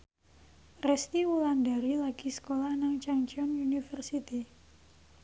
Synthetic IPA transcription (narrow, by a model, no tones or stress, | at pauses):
rɛst̪iwulandaɾilaɡ̥isə̥kolahnaŋt͡ʃaŋt͡ʃɔnunifərsit̪i